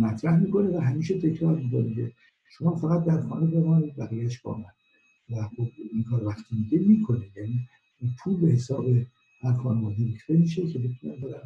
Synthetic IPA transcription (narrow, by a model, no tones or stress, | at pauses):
mæt̪ʰɾæhmiːko̞nevæɦæmiːʃet̪ʰe̞cʰɾɒːɾmikonikʰḛ | ʃo̞mɒːfæɣæt̪̚d̪æɾxɒːne̞be̞vɒːniːd̪̚bæɣiːjæʃbo̰mæd̪ | væxobiŋkʰɒːɾvæxt̪ʰimiːɡemiːkʰo̞nejæːni | unpʰuːlbe̞he̞sɒːbe | hæɾxɒːnevɒːd̪iɾekt̪emiːʃecʰebe̞t̪ʰunæbɑdæɾ